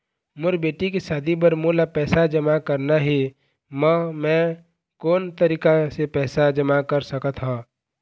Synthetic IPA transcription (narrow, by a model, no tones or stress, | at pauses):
mʊɾbeːʈikesaːd̪ʱibəɾmolapɛːsad͡ʒəmakəɾnaɦi | məmɛ̃ | koːnt̪əɾiːkasepɛːsad͡ʒəmakəɾsəkət̪ɦãː